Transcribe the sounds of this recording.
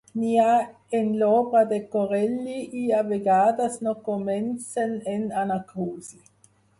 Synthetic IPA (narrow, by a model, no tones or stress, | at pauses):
nia | enloːbʁad̪ekoʁɛlːiʔiaveɡaːd̪asnokomɛnt͡senenanakuːzi